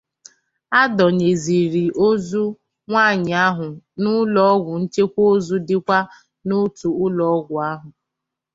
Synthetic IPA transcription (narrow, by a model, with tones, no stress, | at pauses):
a˦dɔ˨ɲe˨zi˨ɾi˨ʔo˦zu˦ | ŋʷaː˦˨ɲɪ˨a˦ɦʊ˨nʊ˦lɔ˦ɔ˦ɡʷʊ˨n̩˦t͡ʃe˦kʷo˦o˦zu˦dɪ˦kʷa˦ | nʊ˦tu˨ʊ˦lɔ˦ɔ˦ɡʷʊ˨a˦ɦʊ˨